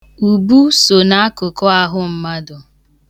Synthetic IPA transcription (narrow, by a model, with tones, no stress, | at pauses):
u˨bu˦so˨na˦a˦kʊ˨kɔ˦a˦ɦʊ˦m̩˦ma˦dʊ˨